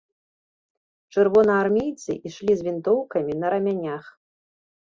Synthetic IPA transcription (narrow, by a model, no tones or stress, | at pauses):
t͡ʂɨrvɔnɐːrmʲejt̪sɨ̰ʔiʂlʲizʲvʲint̪ɔwkɐmʲinɐɾɐmʲanʲax